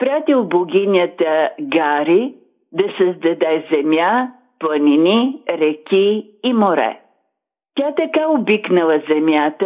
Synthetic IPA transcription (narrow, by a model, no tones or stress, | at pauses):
pɾat̪ilˠboɡʲinʲət̪əɡaɾi | d̪ɐsəzd̪ɐd̪ɛzɛmja | plˠəniniɾɛkʲiː | moɾɛ̰ | t̪ʲat̪ɐkaobiknəlˠəzɛmjat̪ə